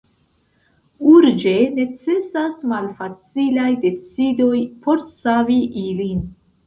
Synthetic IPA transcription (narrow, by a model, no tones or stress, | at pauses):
uɾd͡ʒe̞ne̞t͡se̞sasmalfat͡silajde̞t͡sido̞jpo̞ɾsaviʔilin